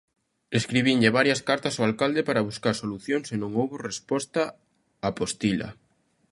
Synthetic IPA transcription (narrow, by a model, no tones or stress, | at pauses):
eskɾiβ̞iɲʎeβaɾjɐskaɾt̪asoalkald̪epaɾaβuskaɾsoluθjoŋsenõŋowβorespɔst̪a | apost̪ila̰